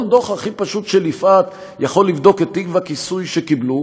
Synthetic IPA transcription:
nd̪oχaχipaʃutʃelifʔat̪ | jaχo̞lːivd̪o̞ket̪ːiɡvakisujʃekiblu

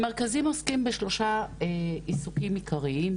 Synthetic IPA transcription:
meʁkazimoskimbeʃlo̞ʃa | isukimikʰaʁiim

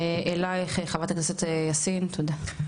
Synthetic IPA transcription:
eʔelajχeχavat̪aknasot̪ejasint̪ʰod̪a

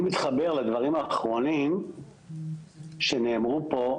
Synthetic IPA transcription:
mit̪χabe̞ʁled̪vaʁimaːχʁo̞nim | ʃeneːmʁupo̞

